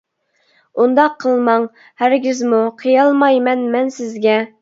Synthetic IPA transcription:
und̪ɑqʰːəlˠmɑŋ | hæɾɡʲizmuqʰəjɑlˠmɑjmɛnmɛnsɪzɡʲɛ

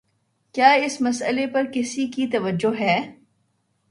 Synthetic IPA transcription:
kjaːɪsmɐsəlepɐɾkɪsikit̪ɐʋəd͡ʒːoɦɛː

